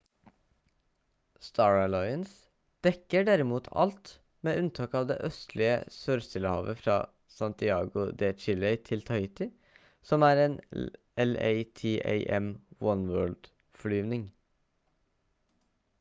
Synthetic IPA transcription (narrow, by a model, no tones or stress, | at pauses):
st̪ʰɑːɹlɔʏəns | d̪̥ɛkəɖæɾɪmuːt̪ʰɑ̰lt̪ | meːʉnt̪ʰɑːkɑːʋd̪ḛːʔœst̪ʰlɪə̰søːɾst̪ɪləhɑ̰ːʋəfɾɑ̰ː | sɑnt̪ɪɑːɡʊd̪ɛːt͡ʃɪlɛɪt̪ʰɪlt̪ʰɑɪt̪ɪ | sɔmæːɾeːn | ɛlḛɪt̪ʰeːʔḛɪʔɛmwɔnwøːɭd̪̥ | fɔɭyːʋnɪŋ